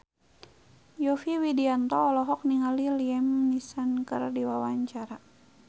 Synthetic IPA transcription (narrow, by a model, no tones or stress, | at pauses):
jɔfiwidiant̪ɔːlɔɦɔk̚niŋaliliɛmnisankə̰rdiwawaɲt͡ʃaɾa